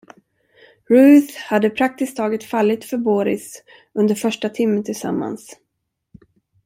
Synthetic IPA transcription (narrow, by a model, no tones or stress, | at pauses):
ɾʉːθhad̪ːəpʰɾak̚t̪ɪskt̪ʰːɑːɡət̪falːɪt̪fœɾboːɾɪ̰s | ɵnd̪əɾfœʂʈat̪ʰɪmːənt̪ʰɪlsa̰mːa̰ns